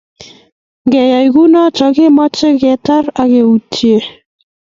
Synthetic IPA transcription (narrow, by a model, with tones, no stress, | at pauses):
ŋɡɛ˨ja˨jɣu˦nɔ˦t͡ʃɔ˨ɣe˦mɔ˦t͡ʃe˦ɣɛ˨ta˦ɾa˨ɣe˨u˨t͡ʃie˦˨